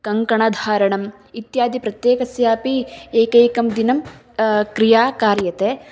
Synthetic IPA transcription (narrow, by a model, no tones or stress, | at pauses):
kɐŋkɐɳɐd̪ʱaːɾɐɳɐm | it̪jaːd̪ʱipɾɐt̪jeːkɐsjaːpieːkeːkɐmd̪inɐm | kɾijaːkaːɾjɐt̪eː